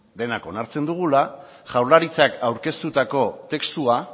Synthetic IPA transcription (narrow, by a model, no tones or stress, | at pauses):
d̪e̞nako̞naɾt͡se̞nd̪uɣ̞ula | ʝawɾlaɾit͡sakawɾke̞st̪ut̪ako̞t̪e̞kst̪ua